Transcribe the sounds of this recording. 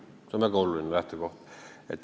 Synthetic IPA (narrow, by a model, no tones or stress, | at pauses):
someˑkoululinelæht̪økoht̪ | ḛt̪ː